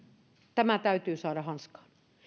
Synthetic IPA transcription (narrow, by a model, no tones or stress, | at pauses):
t̪æmæt̪æyt̪yːsɑːɾɑhɑnskɑ̥ːn